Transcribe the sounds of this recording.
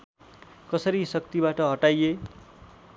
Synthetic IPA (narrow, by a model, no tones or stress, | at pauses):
kʌsʌɾisʌk̚t̪ibaʈʌɦʌʈaje